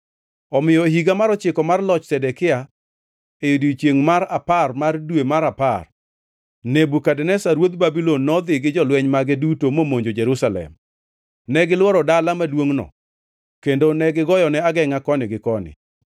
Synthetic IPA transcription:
ɔmɪjɔeɦiɡamaɾɔt͡ʃɪkɔmarlɔt͡ʃsɛdɛkɪa | ejodit͡ʃjeŋmaɾaparmardwemaɾapa̰r | nebukadɛnɛsaɾwod̪̚babilɔnːɔd̪ɪɡɪd͡ʒɔlwɛɲmaɡɪdutomomoɲd͡ʒod͡ʒɛɾusalɛ̰m | nɛɡɪlwɔɾɔdalamadwoŋnɔ̰ | kendonɛɡɪɡɔjɔnɛaɡɛŋakɔnɪɡɪkɔnɪ̰

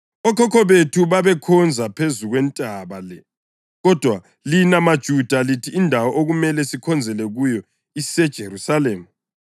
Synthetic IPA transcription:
ɔkʰɔkʰɔβetʰuβaβɛkʰɔnd͡zʱapʰezuɣwɛntʼaβalɛ | ɣɔd̥ʱwa | linamad̥ʒ̥ʱud̥ʱalitʰiːndʱawɔʔoɣumɛlɛsikʰɔnd͡zʱɛlɛɣujɔ | isɛd̥ʒ̥ʱeɾusaleːmu

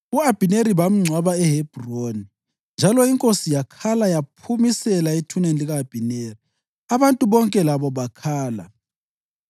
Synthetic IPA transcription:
uab̥ʱineɾiβam̩ŋ͡ǀʱwaβaɛɦeb̥ʱroni | nd͡ʒʱalɔiŋkʼosijakʰalajapʰumisɛlaitʰunenliɣaːb̥ʱineri | aβantʼuβɔŋkʼɛlaβɔβakʰaːla̰

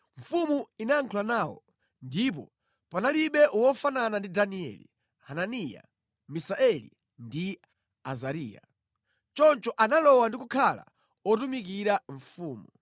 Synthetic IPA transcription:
ɱ̩fumuinaːŋkʰulanaːwɔ̰ | ndip̬ɔ̰ | panaliɓɛʔwɔfananandidaniɛ̰lḭ | hananija̰ | misaɛlḭ | ndi | azaɾiːja̰ | t͡ʃɔnt͡ʃɔʔanalɔwandik̬ukʰala̰ | ɔtumik̬iɾaɱfuːmu

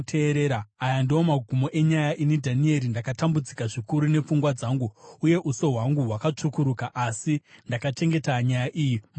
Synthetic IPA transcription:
tʰeːɾe̞ːɾaːjandio̞maɡʱumo̞ʔe̞ɲajaʔinedʱanie̞ɾindakatambud͡zikaʐikuɾune̞p͡fuŋɡwad͡zaŋɡuuje̞ʔuso̞ɦwaŋɡuɦwakat͡ʂukuɾukaʔasindakat͡ʃe̞ŋɡe̞taɲajaʔijim

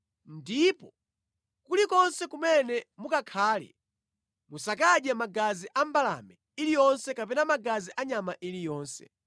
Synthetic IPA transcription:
ndipɔ | kulikɔnsɛkumɛnɛmukakʰaːlɛ̰ | musakaɗjamaɡaziʔambala̰mɛ | ilijɔnsɛkapɛnamaɡaziʔaɲamaʔilijɔːnsɛ̰

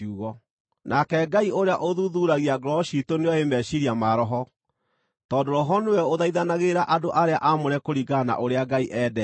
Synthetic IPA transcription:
uɣɔ | nʔakɛɡaiʔoɾeaʔoðuðuɾaɣiaɡɾɔɕitoneɔemɛɕiɾiamaɾɔɦɔ | tɔːndoɾɔɦɔnewɛoðaiðanaɣeɾaʔadoʔaɾeaʔamoɾɛkoɾiɡana̰ʔoɾeaɡaiʔɛːdɛ

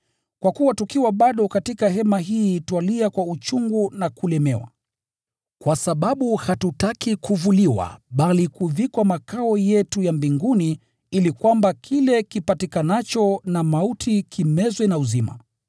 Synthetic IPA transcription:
kwakuwatukiwaɓaɗɔkatikaɦɛmaɦiːtwaliakwaut͡ʃuŋɡunakulɛmɛwa̰ | kwasaɓaɓuhatutakikuvuliwa̰ɓalikuvikwamakaɔjɛtujambiŋɡuni | ilikwambakʰilɛkipatikanat͡ʃɔnamautʰikʰimɛzwɛnauzima̰

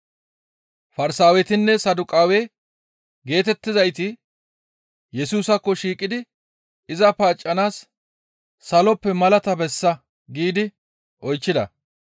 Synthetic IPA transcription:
fɐɾɪsaːwɛt̪ɪnːɛsɐd̪ʊkʼaːwɛ | ɡe̞ːt̪ɛt̪ːɪzɐjt̪ɪ | jɛsuːsɐkːɔʃiːkʼɪd̪ɪ | ɪzɐpaːt͡ʃʼːɐnaːsː | ɐlɔpːɛmɐlɐt̪ɐbɛsːɐ | ɡiːd̪ɪ | ʔɔjt͡ʃːɪd̪ɐ

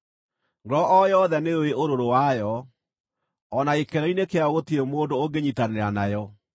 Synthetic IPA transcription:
ŋɡɔʔɔjɔðɛneoweʔoɾoɾowajɔ | naekɛɾɛinekeaɣotiemoːndooɡeɲitaneɾanajɔ

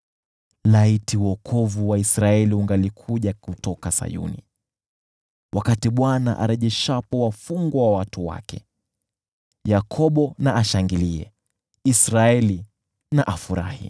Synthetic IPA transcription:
laitiwɔkʰɔvuwaisɾaɛliuŋɡalikʰuʄakutɔkasa̰jṵnḭ | wʔakatiɓwana̰ʔa̰ɾɛʄɛʃapɔwafuŋɡwawawatuwa̰kɛ̰ | jakʰɔɓɔnaaʃaŋɡiliɛ̰ | isɾaɛli | naʔafuɾa̰hḭ

